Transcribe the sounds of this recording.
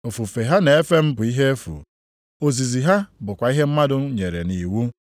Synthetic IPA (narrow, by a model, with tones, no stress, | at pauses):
o˨fu˨fe˨ɦa˦ne˨e˦fe˦m̩˦bʊ˨i˦ɦe˦e˦fṵ˨ | o˨zi˨zi˨ɦa˦bʊ˨kʷa˨i˦ɦe˦m̩˦ma˦dʊ˦ɲe˨ɾe˨ni˨wu˦